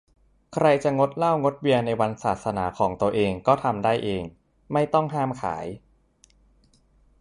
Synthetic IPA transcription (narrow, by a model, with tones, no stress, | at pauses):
kʰɾa˧jt͡ɕa˨˩ŋo˦˥t̪̚la˥˩wŋo˦˥t̪̚wi˧ənːa˧jwa˧nsaː˨˩t̪̚sa˧naː˩˦kʰɔː˩˦ŋt̪u˧ɐʔeː˧ŋkɔː˥˩t̪ʰa˧mdaː˥˩jʔeː˧ŋ | ma˥˩jt̪ɔ˥˩ŋɦaː˥˩mkʰa̰ː˩˦j